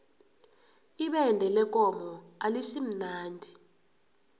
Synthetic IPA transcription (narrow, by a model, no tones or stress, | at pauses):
iɓɛndʱɛlɛk̬ʼɔmɔalisim̩naːndʱi